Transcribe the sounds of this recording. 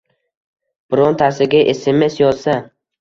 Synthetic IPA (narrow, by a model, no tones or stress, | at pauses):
b̥ɪɾɒnt̪ʰasɪɡʲaʔeseme̞sjɒzsa